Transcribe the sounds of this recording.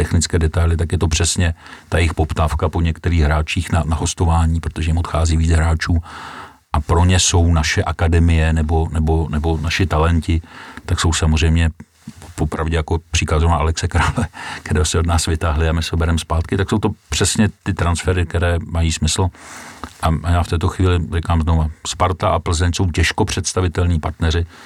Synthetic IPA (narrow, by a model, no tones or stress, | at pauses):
t̪ɛxnɪt͡skɛːdɛt̪ajlɪt̪akjɛt̪o̞pr̥ɛsɲɛt̪ajɪxpo̞pt̪aːfkapo̞ɲɛkt̪ɛɾiːɣɦɾaːt͡ʃiːxnanaɦo̞st̪o̞vaːɲiːpɾot̪oʒɛjɪmot̪xaːziːviːt͡sɦɾaːt͡ʃuː | ʔapɾoɲɛso̞wnaʃɛʔakadɛmɪjɛnɛbo̞nɛbo̞nɛbo̞naʃɪt̪alɛncɪt̪akso̞wsamozr̝ɛjmɲɛ | popɾavɟɛjakopr̝̥iːkat̪zonaʔalɛksɛkɾalɛkt̪ɛɾɛːosɛodnaːsvɪt̪aɦlɪamɪsɛobɛɾɛmspaːt̪kɪt̪akso̞wt̪o̞pr̥ɛsɲɛt̪ɪt̪ɾansfɛɾɪk̚t̪ɛɾɛːmajiːsmɪsl̩ | ʔaajaːft̪ɛːt̪o̞xviːlɪrɪkaːmznovaspaɾt̪aʔapl̩zɛɲso̞wcɛʃko̞pr̝̥ɛt̪st̪avɪt̪ɛlɲiːpaɾt̪nɛɾɪ